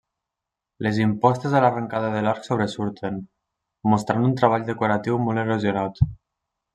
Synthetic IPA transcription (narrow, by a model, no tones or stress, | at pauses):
lezimpɔst̪ezelarəŋkaðəðelaɾksoβɾesuɾt̪ʰen | most̪ɾanunt̪ɾaβ̞aʎd̪ekoɾat̪iwmoleɾozjonat̪